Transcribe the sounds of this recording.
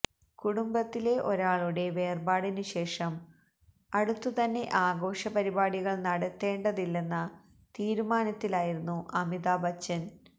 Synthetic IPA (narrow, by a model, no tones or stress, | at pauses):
kuɽumbɐt̪ːile̞ʔo̞ɾaːɭuɽe̞ʋe̞ːrbaːɽinuɕe̞ːʂɐm | ɐɽut̪ːut̪ɐnːe̞ʔaːɡo̞ːʂɐpɐɾibaːɽiɣɐɭnɐɽɐt̪ːe̞ːɳɖɐðilːe̞nːɐ | t̪iːɾumaːnɐt̪ːilaːjiɾunːuʔɐmiðaːbɐt͡ɕːɐn